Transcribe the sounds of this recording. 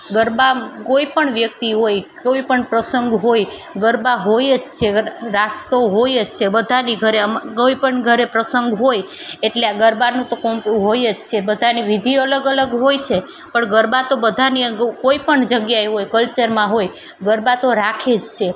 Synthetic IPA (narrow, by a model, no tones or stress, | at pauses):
ɡəɾbakoipəɳʋjək̚t̪iɦojkoipəɳpɾəsəŋɡʱɦojɡəɾbaɦojd͡ʒt͡ʃʰeɾast̪oɦojd͡ʒt͡ʃʰebəd̪ʱaniɡʱəɾeəmkoipəɳɡʱəɾepɾəsəŋɡʱɦojeʈleaɡəɾbanũt̪okompũɦojd͡ʒt͡ʃʰebəd̪ʱaniʋid̪ʱiələɡələɡɦojt͡ʃʰe | pəɳɡəɾbat̪obəd̪ʱaniəɡkoipəɳd͡ʒəɡjaeɦojkəlt͡ʃəɾmãɦoj | ɡəɾbat̪oɾakʰed͡ʒt͡ʃʰe